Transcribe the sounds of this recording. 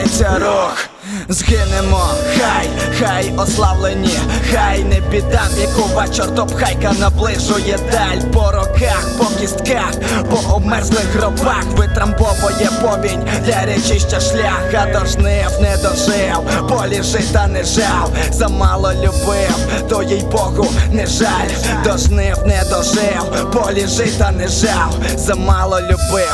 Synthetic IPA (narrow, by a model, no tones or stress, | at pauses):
t͡sʲɐɾɔx | zɦɪnɪmɔxajxajɔslˠawlˠenʲixajnɛbʲid̪amjɐkʊʋat͡ʃɔrt̪ɔpxajkɐnɐblˠɪʒʊjɛd̪alʲpɔɾɔkaxpɔbjist̪kax | pɔʔɔbmɛrzlˠɪxɦrɔbaxʋɪt̪ɾɐmpɔʋɔjɛpɔbʲinʲ | d̪lʲɐɾɛt͡ʃɪɕʲtʲɐʃlʲaxɐd̪ɔʒnɪwnɛd̪ɔʒɪw | pɔlʲiʒɪt̪ɐnɛʒaw | zɐmalˠɔlʲʊbɪw | t̪ɔjɛjbɔɣʊnɛʒalʲ | d̪ɔʒnɪwnɛd̪ɔʒɪw | pɔlʲiʒɪt̪ɐnɛʒaw | zɐmalˠɔlʲʊbɪ